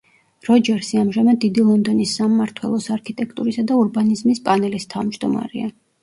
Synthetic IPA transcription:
ɾɔd͡ʒɛɾsiamʒamad̪ːid̪ilˠɔnd̪ɔnisːamːaɾt̪ʰwɛ̰lˠɔsaɾkʰit̪ʼɛkʰt̪ʼuɾisad̪auɾbanizmispʼanɛlist̪ʰavmd͡ʒd̪ɔma̰ɾɛ̰a

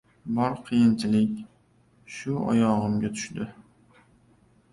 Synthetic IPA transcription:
bɒɾqʰɨjɪnt͡ʃʰɪlɪkʲ | ʃʊɒ̰jɒʁɨmɡʲat̪ʰʊ̥ʃd̪ɪ

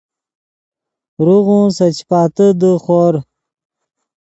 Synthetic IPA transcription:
ɾuɣũsɐt͡ɕpaːt̪əd̪əχoːɾ

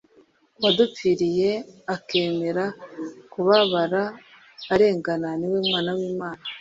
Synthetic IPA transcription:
wadup͡fiɾije̞ake̞ːme̞ɾakuβaβaɾaː | ɾe̞ːŋɡananiweːmŋaːnawiːmaːna

